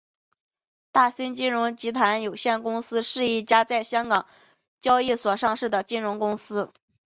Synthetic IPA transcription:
t̪a˥˩si˥nt͡ɕi˥nɻʊ˧˥ŋt͡ɕi˧˥t̪ʰa˧˥njo˨˩ʊɕjɛ˥˩nkʊ˥ŋsɹ̩˥ʂɻ̩˥˧i˥˩t͡ɕja˥t͡sa˥˩ɪɕjɑ˥ŋkɑ˨˩˦ŋ | t͡ɕjɑ˥ʊi˥˩swɔ˨˩ʂɑ˥˧ŋʂɻ̩˥˩d̪ə˩t͡ɕi˥nɻʊ˧˥ŋkʊ˥ŋsɹ̩˥

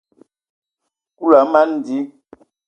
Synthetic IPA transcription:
ku˦la˨˦ma˦n˨di˨˦

